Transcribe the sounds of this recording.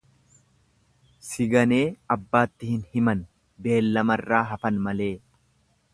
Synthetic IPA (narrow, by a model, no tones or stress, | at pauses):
sɪɡɐne̞ːɐbːaːt̪ːɪhɪnhɪmɐn | be̞ːlːɐmɐrːaːɦɐfɐnmɐle̞ː